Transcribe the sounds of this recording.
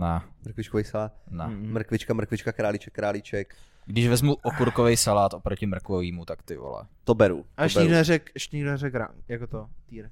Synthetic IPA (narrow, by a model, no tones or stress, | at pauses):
namɾ̩kvɪt͡ʃkovɛjsalaːt̪namɾ̩kvɪt͡ʃkamɾ̩kʋɪt͡ʃkakɾaːlɪt͡ʃɛkːɾaːlɪt͡ʃɛk | ɡdɪʒvɛzmuʔokuɾkovɛjsalaːt̪opɾocɪmɾ̩kvoviːmut̪akt̪ɪvo̰lɛ̰t̪obɛɾṵʔaɛʃɲɪɡdonɛɾɛkɛʃɲɪɡdonɛɾɛkɾa̰jakot̪ot̪iːɾ